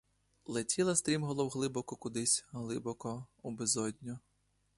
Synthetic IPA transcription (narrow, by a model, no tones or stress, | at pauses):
lˠetʲʰilˠɐst̪ɾʲimɦɔlˠɔwɦlˠɪbɔkɔkʊd̪ɪsʲɦlˠɪbɔkɔubezɔdʲnʲɔ